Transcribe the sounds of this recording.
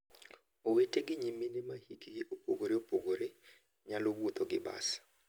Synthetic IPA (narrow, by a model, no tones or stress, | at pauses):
oweteɡɪɲiminɪmahikiɡɪʔopoɡoɾeopoɡoɾe | ɲalowwot̪oɡɪba̰s